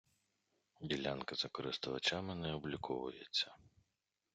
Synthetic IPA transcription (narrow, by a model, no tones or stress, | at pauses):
dʲilʲa̰nkɐzɐkɔɾɪst̪ʊʋɐt͡ʃamɪnɛɔblʲikʰɔʋʊ̰jet͡sʲːɐ